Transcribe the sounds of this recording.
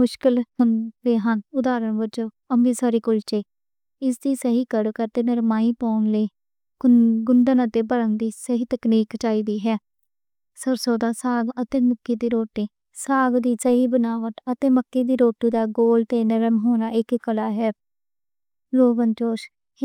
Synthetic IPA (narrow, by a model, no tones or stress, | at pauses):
mʊʃkɪlɦʊnʋeːɦənʊd̪aːɾənʋət͡ʃõː | əmʋiːsaːɾiːkʊlt͡ʃeː | ɪsd̪iːsəɦiːkəɽkəɾt̪eːnəɾmaːiːpaːnliː | ɡʊnd̪ənət̪eːbəɾəŋd̪iːsəɦiːt̪əkniːkt͡ʃaːiːd̪iːɦɛː | səɾsoːd̪aːsaːɡət̪eːmʊkːiːd̪iːɾoːʈiː | saːɡd̪iːsəɦiːbənaːʋəʈ̪ət̪eːməkːiːd̪iːɾoːʈiːd̪aːɡoːlt̪eːnəɾəmɦoːnaːɪkkəlaːɦɛː | ɾoːʋənt͡ʃoːʃ